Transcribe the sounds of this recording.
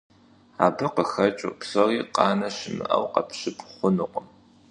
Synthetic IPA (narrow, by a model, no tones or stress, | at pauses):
aːbɨqəxɐt͡ʃʼupsɐriːqʼɑːnɐɕɪmɨ̰ʔɐ̰wqɐ̰pʰɕɪpʰχʷʊnɨqʷʼəm